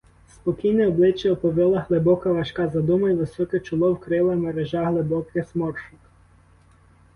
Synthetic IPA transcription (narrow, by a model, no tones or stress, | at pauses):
spɔkʲijnɛɔblˠɪt͡ʃjɐɔpɔʋʲɛlˠɐɦlˠɪbɔkɐʋɐʃkɑzɐd̪umɐjʋɪsɔkɛt͡ʃʊlˠɔwkɾɪlˠɐmeɾeʒɑɦlˠebɔkɪsmɔrʃʊk